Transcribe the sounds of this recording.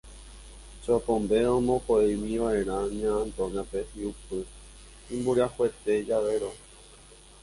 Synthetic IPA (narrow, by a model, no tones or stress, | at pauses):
t͡ʃopõmbeõmõkoejwĩʋaʔe̞ɾ̃ãɲãːnt̪õnãpehiupɨ | ĩmbuɾiahwe̞t̪e̞d͡ʒaʋe̞ɾo